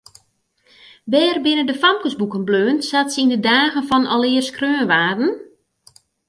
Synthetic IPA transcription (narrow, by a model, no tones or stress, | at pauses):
bɛːrbɪnəndəfamkəsbukənbløːnsatsəindədaːɣənfɔnɔlɪːərskrøːnʋaːdn̩